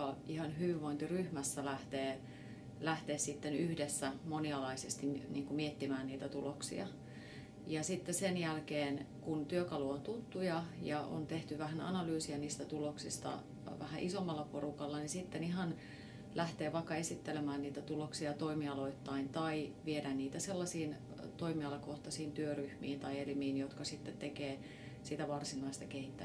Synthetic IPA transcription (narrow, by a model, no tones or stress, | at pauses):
ɑihɑnɦyʋiʋʋoint̪iryhmæsːælæht̪eː | læht̪eːssit̪ːenyhdesːæmoniɑlɑisest̪iniːŋkumiet̪ːimæːnniːt̪æt̪uloksḭɑ̰ | jɑsit̪ːesenjælkeːnkunt̪yøkɑluont̪ut̪ːujɑjɑo̰nt̪eht̪yʋæhænɑ̰nɑlyːsiɑniːst̪æt̪uloksist̪ɑ̰ | ʋæ̰hæ̰ʔisomːɑlːɑporukɑlːɑnisit̪ːeniɦɑn | lʔæht̪eːʋɑkːɑesit̪ːelemæːnniːt̪æt̪uloksiɑt̪oimiɑloit̪ːɑint̪ɑiʋiedænniːt̪æselːɑsiːn | t̪oimiɑlɑkoht̪ɑsiːnt̪yøryhmḭːnt̪ɑielimiːnjot̪kɑsit̪ːet̪tekeː | sit̪æʋɑrsinɑist̪ɑkehit̪ːæ